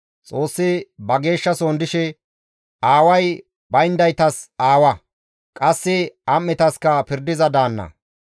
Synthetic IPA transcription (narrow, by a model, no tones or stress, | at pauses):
t͡sʼo̞ːsːɪbɐɡe̞ːʃːɐsoːnd̪ɪʃɛ | aːwɐj | bɐjnd̪ɐjt̪ɐsaːwɐ | kʼɐsːɪɐmːɛt̪ɐskɐpɪɾd̪ɪzɐd̪aːnːɐ̰